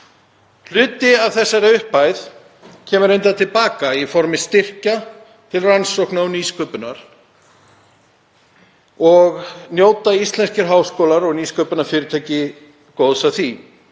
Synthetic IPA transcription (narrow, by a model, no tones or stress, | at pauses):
l̥ʏːt̪ɪav̥θɛsːaɾɪʏhpaːjð | cʰɛːmʏɾejnt̪at̪ʰɪlpaːkaifɔɾmɪst̪ɪr̥ca | t̪ʰɪlransowknawniːskœpʏnaɾ̥ | ɔɣnjoːwt̪aist̪lɛnscɪɾɦaːwskoːwlaɾɔɣniːskœːpʏnaɾfɪːɾɪt̪ʰaːjcɪ | koːwðsaθi